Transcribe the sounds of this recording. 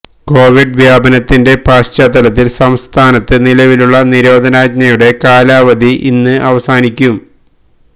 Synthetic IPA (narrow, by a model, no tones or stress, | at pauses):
ko̞ːʋiɖʋjaːbɐnɐt̪ːinde̞paːst͡ɕat̪ːɐlɐt̪ːilsɐmst̪ʰaːnɐt̪ːɨnilɐʋiluɭːɐniɾo̞ːd̪ʱɐnaːɡ̚ɲɐjuɽe̞kaːlaːʋɐd̪ʱiʔḭnːɨʔɐʋɐsaːnikʲːum